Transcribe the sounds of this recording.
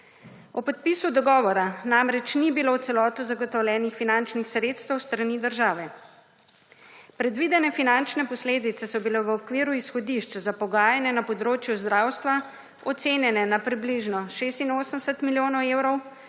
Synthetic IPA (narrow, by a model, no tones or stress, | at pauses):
ɔpɔt̪̚pisud̪ɔɡɔːʋɔɾanamɾɛt͡ʃnibilowt̪sɛlɔːt̪uzaɡɔt̪ɔwlʲjɛːnixfinant͡ʃnixsɾeːt̪st̪əwst̪ɾanid̪əɾʒaːʋɛ | pɾɛd̪ʋid̪ɛnɛfinant͡ʃnɛpɔsleːd̪it̪sɛsɔbilɛʋəɔkʋiːɾuisxɔd̪iʃt͡ʃzapɔɡaːjanɛnapɔd̪ɾoːt͡ʃjuzd̪ɾaːwst̪ʋa | ɔt̪seːnjɛnɛnapɾibliʒnɔʃeːst̪inoːsənsət̪miljoːnɔwewɾɔw